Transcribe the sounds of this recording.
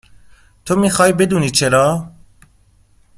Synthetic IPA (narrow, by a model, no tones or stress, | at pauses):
t̪ʰomiːxɒːjbe̞d̪uːniːt͡ʃʰe̞ɾɒː